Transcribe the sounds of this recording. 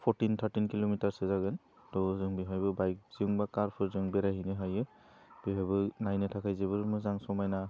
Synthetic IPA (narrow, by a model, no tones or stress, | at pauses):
pʰɔɾtint̪ʰaɾtinkilomitaɹsɛzaɡɯn | tɔzɯŋbiɦajbɯbajk̚ziŋbakaɾpʰɯɾzɯŋbɛɾaɦinɯɦajɯ | b̥iɦajbɯnajnɯtʰakʰajzeβɯɾmɯzaŋsɔmajna